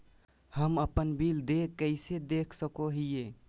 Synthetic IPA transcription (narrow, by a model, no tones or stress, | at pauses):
həməpənbild̪ekːəɪsed̪ekʰsəkoɦije